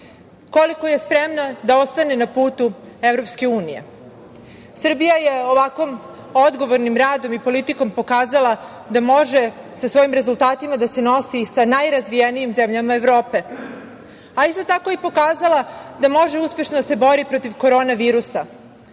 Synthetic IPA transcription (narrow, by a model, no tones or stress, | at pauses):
koliko̞jespɾe̞mnod̪ao̞st̪ane̞napuːt̪uevɾo̞pske̞uːnije̞̰ | sr̩bijaje̞oʋakʋo̞m | od̪ɡo̞ʋoɾnimɾaːd̪o̞mipo̞lit̪iko̞mpo̞kaːzalˠa | d̪amo̞ʒe̞sasʋo̞jimɾe̞zulˠt̪aːt̪imad̪ase̞no̞sisanajɾazʋijenijimzemʎamaeʋɾo̞ːpe̞ | aist̪ot̪ako̞ipo̞kaːzalˠad̪amo̞ʒe̞uspje̞ʃnod̪ase̞bo̞ɾipɾot̪iʋko̞ɾo̞ːnaʋiːɾusa